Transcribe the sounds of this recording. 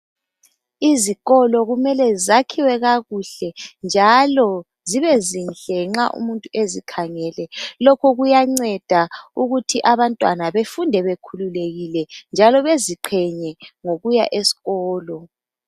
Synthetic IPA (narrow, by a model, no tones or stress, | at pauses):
iziɣɔlɔɣumɛlɛzakʰiwɛɣaɣuɬɛnd͡ʒʱalɔ | ziβɛzinɬʼɛŋ͡ǁaʔṵmuntʼuʔezikʰaŋɛlɛlɔkʰɔɣujaŋ͡ǀɛd̥ʱauɣutʰiʔaβantʼwanaβefundʱɛβekʰululeɣilɛnd͡ʒʱalɔβeziǃʰɛɲɛŋoɣuja̰ʔesi̥ɣɔːlɔ